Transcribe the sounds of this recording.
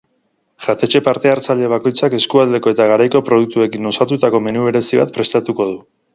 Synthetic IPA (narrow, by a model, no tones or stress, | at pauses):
ʝat̪e̞t͡ʃe̞paɾt̪e̞aɾt͡saʎe̞βako̞jt͡sake̞skuald̪e̞ko̞e̞t̪aɣaɾajko̞pɾo̞ð̞uk̚t̪ue̞kino̞sat̪ut̪ako̞me̞nuβe̞ɾe̞siβa̰t̪̚pɾe̞st̪at̪uko̞ð̞u